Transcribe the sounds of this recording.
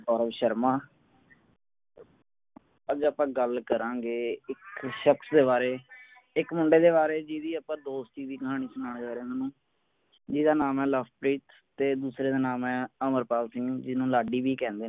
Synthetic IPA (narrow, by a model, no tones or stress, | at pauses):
ɔːɾəbʃəɾmãː | əd͡ʒəpãːɡəlkəɾãːɡeːɪkʃəksd̪eːβaːɾeː | ɪkmʊɳɖeːd̪eːbaːɾeːd͡ʒiːd̪iːəpãːd̪oːst̪t͡ʃiːziːkəɦaːɽ̃iːsʊnãːɳ̃d͡ʒaːɾẽːnaːnũː | d͡ʒɪːd̪aːnaːmɛːləfpɾiːt̪ | t̪eːd̪uːsɾeːd̪aːnaːmɛ̃ːəməɾpaːlsɪ̃ũːd͡ʒɪnũːlaːɖiːbiːkɛ̃ːnd̪eː